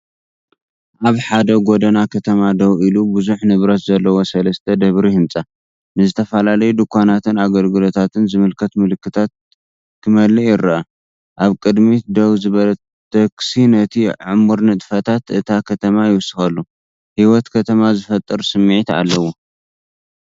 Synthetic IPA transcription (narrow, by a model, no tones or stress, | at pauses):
ʔaβħad̪ɐɡod̪ɐnakʰɐt̪ʰɐmad̪ɐwilubɨzuħnɨβɾɐt̪zɐlːɐwo̞sɐlɐst̪ʰɐd̪ɐβɾihɨnt͡sʼa | nɨzɨt̪ʰɐfɐlalɐjud̪ɨkʰʷːanat̪ʰɨnaɡɐlɡɨlo̞t̪ʰat̪ʰɨnzɨmɨlkʰɐt̪mɨlɨkʰːɨt̪ʰat̪̚ | kʰɨmɐlːɨjɪɾiɐ | ʔaβkʼɨd̪mid̪ɐwzɨβɐlɐ | t̪ʰɐksinɐt̪ʰiʕɨmuɾnɨt̪ʼfɐt̪ʰat̪ʔɨt̪ʰakʰɐt̪ʰɐmajɪwsɨxɐlːu | hiwɔt̪kʰɐt̪ʰɐmazɨfɐt̪ʼːɨɾsɨmːiʕit̪a̰lːɐwu